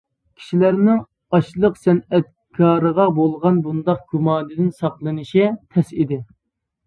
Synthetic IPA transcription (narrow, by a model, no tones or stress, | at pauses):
kʲʰi̥ʃilæɾnɪŋ | ɑʃlˠəqsɛnɛt̪̚ | kʰɑːɾəʁɑbolˠʁɑnbund̪ɑq̚ɡ̥ʲumɑːnɨd̪ɪnsɑqlˠɨnɨʃit̪ʰɛsid̪ɪ